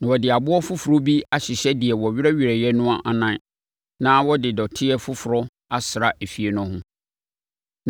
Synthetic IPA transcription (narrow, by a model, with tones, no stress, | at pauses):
nã˨wɔ˨dɪ˨a˨bʊ˦ɔ˦fʊ˦fʊ˨ɾo˦bi˦a˦ɕɪ˨ɕɛ˦di˨ɛ˨wɔ˨ɥɪ˦ɾɛ˦ɥi˨ɾɛ˨jɛ˦nʊ̃˦a˦ʔa˨nã˨˦˨ | nã˦wɔ˦dɪ˨dɔ˨tʰɪ˦ɛ˦fʊ˦fʊ˨ɾɔ˦ | a˦sɪ˨ɾa˨ʔe˨fi˨e˦nʊ̃˨˦hʊ̃˦